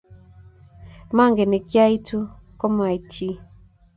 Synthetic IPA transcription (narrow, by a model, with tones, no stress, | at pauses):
ma˦˨ŋɡɛ˨nɛ˨kja˦i˦tʰu˦kɔ˦m˦a˨i˨t͡ʃi˦